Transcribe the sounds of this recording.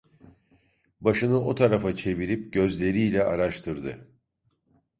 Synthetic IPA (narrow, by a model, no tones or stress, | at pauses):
baʃɯnɯo̞t̪ʰaɾafat͡ʃʰe̞viɾipɟø̞zlʲe̞ɾiːlʲɛʔaɾaʃt̪ʰɯɾd̪ɯ̰